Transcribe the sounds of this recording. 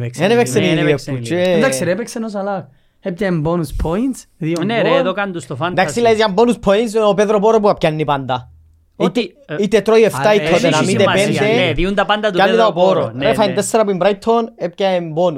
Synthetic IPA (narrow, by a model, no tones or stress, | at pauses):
enevekseniiepːut͡ʃed̪akseɾepeksenos̬ɐlɐk | epcɐembonuspʰoint̪sðioneɾeðokand̪ust̪ofand̪akssilɐizjambonuspʰoint̪s̬opeðɾopoɾop̬uɐp̚cɐnːipɐnd̪ɐ | it̪ | it̪ːet̪ɾoieft̪ait̪ʰːot̪enamid̪epend̪eðiund̪ɐpand̪ɐt̪ukanːiðɐopoɾoɾefɐind̪est̪eɾɐp̬uimbɾɐjt̪ʰːonep̚cɐembonu